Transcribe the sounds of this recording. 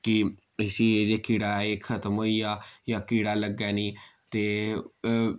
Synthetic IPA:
kɪ | ɪsiːeːd͡ʒeːkiːɽaːeːkʰət̪əmɦoːiːaːjãːkiːɽaːləɡːɛːniːt̪eː

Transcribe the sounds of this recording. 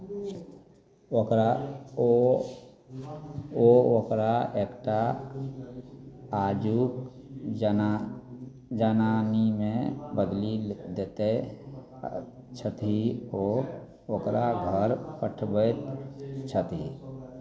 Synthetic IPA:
okɾa | ookɾaeːkʈa | d͡ʒuk | d͡ʒənanimẽbəd̪lid̪et̪e | t͡ʃʰət̪ɦio | okɾaɡʱəɾkəʈʰbət̪t͡ʃʰət̪ɦi

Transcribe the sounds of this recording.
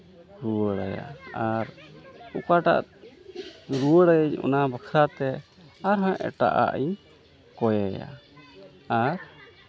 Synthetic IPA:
ɾuwəɽaja̰aɾukaʈa̰ʔt̪ | ɾuwəɽajəɲɔ̰nabəkʰɾat̪ɛ | aɾɦãʔɛ̰ʈa̰ʔa̰ʔi | kɔjɛja̰ | aɾ

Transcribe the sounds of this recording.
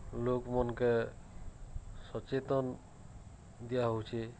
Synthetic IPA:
lokmɔnkɛ | sɔt͡ʃet̪ɔn | d̪ijaɦowt͡ʃʰi

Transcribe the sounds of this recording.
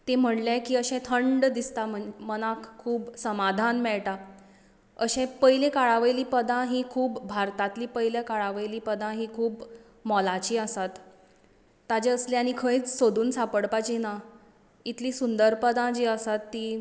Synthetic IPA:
t̪em̤əɳlakiːəɕɛ̃t̪ʰəɳɖd̪ist̪am̤əmənãkkʰːuːbsəmad̪ʱanmɛɭʈa | əɕẽpəjilekaɭaʋəjliːpəd̪ãɦikʰuːbːʱaɾt̪at̪liːpəjljakaɭaʋəjliːpəd̪ãɦikʰuːb | mɔlat͡ɕiːəsat̪ː | ad͡ʑeəslẽaɽ̃ikʰə̃it͡ssod̪ʱuːnsapəɽpajt͡ɕina | it̪ʰliːsund̪əɾpəd̪ãd͡ʑiəsat̪ːiː

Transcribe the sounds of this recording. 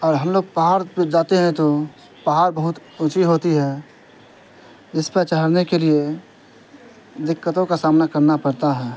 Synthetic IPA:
ɔːɾɦɐmloːɡ̚paɦaːɾd͡ʒaːt̪eɦɛ̃t̪o | pəɦaːɾbəɦʊt̪ʊt͡ʃiɦoːt̪iɦɛ | ɪspət͡ʃəɦəɾnekelie | d̪ɪkːət̪õkasaːmnakɐɾnapɐɾt̪aɦɛː

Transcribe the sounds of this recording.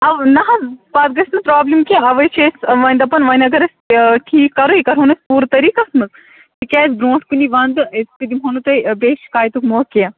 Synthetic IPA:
ɐʋnɐɦɐbaːt̪̚ɡɐsʲnɐpɾaːblimkiɐʋɐjt͡ʃʰesʋɐnd̪ɐpɐnʋɐnɐɡɐɾɐsʲʈʰiːkːɐɾoikɐɾɦoːnɐsʲpuːɾt̪ɐɾiːkasmɐz | t̪ikʲɛːzbɾõːʈʰkuniʋɐnd̪ɨespid̪imɦonut̪ɐbeːʃkaːjt̪ukmoːkija

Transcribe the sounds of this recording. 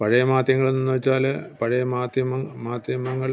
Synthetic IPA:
pɐɻɐjɐmaːd̪jɐŋːɐɭenːunːuʋɐt͡ɕːaːlpɐɻɐjɐmaːd̪jɐmɐmaːd̪jɐmɐŋːɐɭ

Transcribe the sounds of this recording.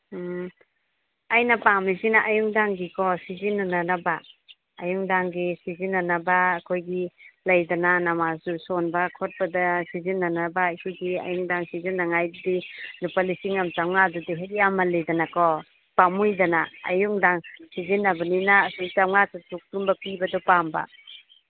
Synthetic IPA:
ajnapamisinaʔajuŋdaŋɡikʰɔsizinːananabaː | juŋdaŋɡisizinːanabaːkʰojɡilajdananamasusɔnbakʰɔt̚badasizinːanabaːkʰojɡia̰juŋdaŋsizinːaŋajdinupalisiŋamtamŋadɔdeɦekjamːalejdanakɔ | pamujdanaa̰juŋdaŋsizinːabaninaːsuŋt͡ʃamŋatatuk̚tumbapibadɔpamba̰

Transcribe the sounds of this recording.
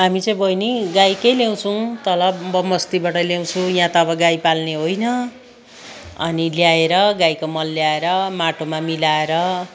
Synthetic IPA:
ɦamit͡sʌj̃bʱʌjniɡajkejljaw̃t͡sʰuw̃t̪ʌlʌbbʌmʌst̪ibaʈʌljaw̃t͡sʰũjãt̪ʌːbʌɡajpalneɦojnʌ | ʌ̰niljaeɾʌɡajkomʌlːjaeɾʌmaʈomamilaeɾʌ

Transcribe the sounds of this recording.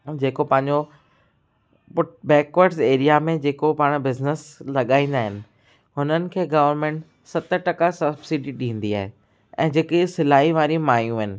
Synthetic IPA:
d͡ʑeːkopɐ̃ɦɪ̃ɲd͡ʑo | pʊʈbɛːkʋəɾʈseːɾijamẽd͡ʑeːkopaːɽ̃bɪznɪslɐɠaːĩːnd̪aːɦɪnɪ̆ | ɦʊnənɪ̆kʰeːɡɐʋəɾmẽːɳʈ | sɐt̪ʈɐkasɐbsiɖiɗĩːn̆d̪iaːɦe | ɛ̰̃ːd͡ʑeːkisɪlaːiʋaːɾimaːjũɦɪnɪ̆

